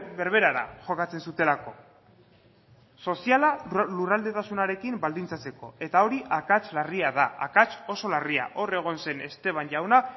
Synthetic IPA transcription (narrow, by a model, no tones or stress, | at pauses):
be̞ɾβe̞ɾaɾa̰ʝo̞kat͡se̞nsut̪e̞lako̞ | so̞sialalurald̪e̞t̪asunaɾe̞kimbald̪int͡sat͡se̞ko̞e̞t̪aoɾiʔakat͡ʃlariaðaːkat͡ʃo̞so̞laria̰ʔo̞re̞ɣ̞o̞nse̞ne̞st̪e̞β̞anʝawna